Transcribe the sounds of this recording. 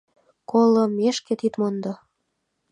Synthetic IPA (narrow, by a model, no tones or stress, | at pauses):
kolɤmeʃket̪it̪mond̪o